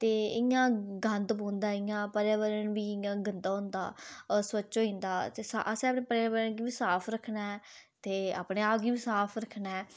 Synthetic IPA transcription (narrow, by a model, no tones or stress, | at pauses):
t̪eːɪjãːɡə̃nd̪bõːnd̪aːɪːãːpəɾjaːʋəɾənbiːɪjãːɡənd̪aːʊ̃ːnd̪a̰ːsət͡ʃːoːĩːnd̪aːt̪eːsaʔəsẽapneːpəɾjaːʋəɾənɡiːbiːsaːpʰɾəkʰnaːɛt̪eːa̰ːpɽeːaːpɡiːbiːsaːpʰɾəkʰnaːɛː